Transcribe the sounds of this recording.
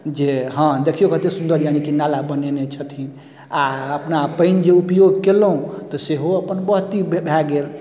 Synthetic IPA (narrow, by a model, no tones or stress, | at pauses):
d͡ʒeɦə̃d̪ekʰijokət̪esund̪əɾjañikinalabənenet͡ʃʰət̪ʰin | aəpnapəɪnd͡ʒeupjoɡkeləũt̪ɔseɦoəpənbəɦt̪ibbʱɛɡel